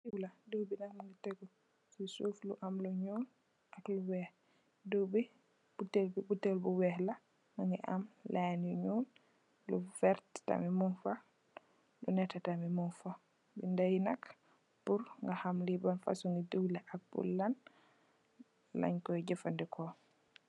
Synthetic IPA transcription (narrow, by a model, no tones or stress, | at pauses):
iwladuwbinakmaŋɡateɡɔ | sisufluʔamluɲuːn | ʔakluwɛh | duwbi | b̥utːelbibutːelbuwɛhla | ŋaŋɡɛʔa̰mlʔanuɲuːn | lufɛɾtta̰mimunfa | lunɛtːatamimunfa | bindajnak | puɾŋɡahamlibanfa̰suŋɡiduwlaʔak̚bṵlːan | la̰ɲkɔɟɛfandikʰɔ